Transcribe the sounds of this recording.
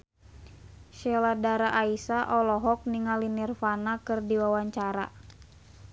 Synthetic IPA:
ʃɛladaɾaʔaisaʔɔlɔɦɔk̚niŋalinirfanakɨrdiwawaɲt͡ʃaɾa̰

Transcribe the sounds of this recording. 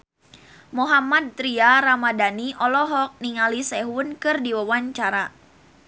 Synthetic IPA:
muɦamad̪̚t̪ɾiaɾamadaniʔɔlɔɦɔk̚niŋalisɛɦʊnkɨrdiwawaɲt͡ʃaɾa

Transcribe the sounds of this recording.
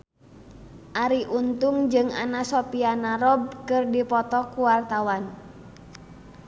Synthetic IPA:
ʔaɾiʔunt̪uŋd͡ʒɨŋa̰nasɔpianaɾɔb̚kɨrdipɔt̪ɔkuwart̪awan

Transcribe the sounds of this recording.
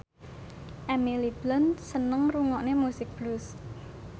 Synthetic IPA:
ʔɛmilib̥lənsənəŋruŋɔʔnemusɪk̚b̥lus

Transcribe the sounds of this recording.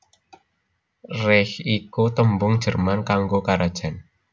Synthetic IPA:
rɛhikut̪əmbʊŋd̥ʒ̥ə̤rmankaŋɡokaɾad̥ʒ̥a̤n

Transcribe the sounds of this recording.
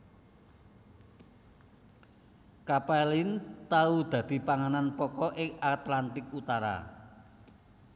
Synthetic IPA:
kapalint̪aud̪̥ä̤d̪̥i̤paŋananpɔkɔʔɪŋat̪lant̪ɪkut̪aɾa̰

